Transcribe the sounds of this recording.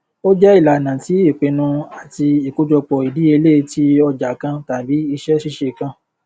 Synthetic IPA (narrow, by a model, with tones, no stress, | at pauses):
o˦d͡ʒɛ˦i˦˨la˨nã˨ti˨˦i˦˨k͡pe˧nũ˧a˨ti˧i˨ku˦d͡ʒɔ˧k͡pɔ˧i˨di˨˦e˧le˦˨˧ti˦ɔ˧d͡ʒa˨˦kã˦ta˨bi˨˦i˧ʃɛ˦ʃi˦ʃe˧˨kã˦